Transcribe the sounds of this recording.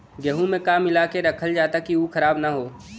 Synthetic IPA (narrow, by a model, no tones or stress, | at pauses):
ɡəɦũmẽkaːmɪlaːkeɾɐkʰəld͡ʒaːt̪akiukʰɐɾaːbnaɦoː